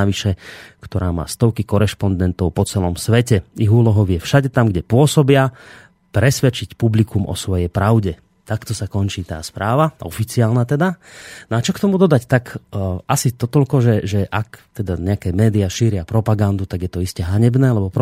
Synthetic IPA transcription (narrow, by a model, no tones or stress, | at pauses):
aʋiʃɛkt̪ɔɾaːma̰ːst̪ɔʊkikɔɾɛʃpɔnd̪ɛnt̪ɔʊpɔt͡sɛlɔmsʋɛcɛiɦuːlɔɦɔʊjɛfʃaɟɛt̪amɡɟɛpʊɔsɔbɪa | pɾɛsʋɛt͡ʃicpublikumʔɔ̰sʋɔjɛjpɾaʊɟɛ | t̪akt̪ɔsakɔnt͡ʃiːt̪a̰ːspɾaːʋaɔfit͡siaːlnat̪ɛd̪anɔat͡ʃɔkt̪ɔmud̪ɔd̪act̪akʔasid̪ɔt̪ɔʎkɔʒɛʒɛʔakt̪ɛd̪aɲɛakɛːmɛːd̪iaʃiːɾɪapɾɔpaɡand̪ut̪aɡjɛt̪ɔiscɛɦaɲɛbnɛːlɛbɔpɾɔ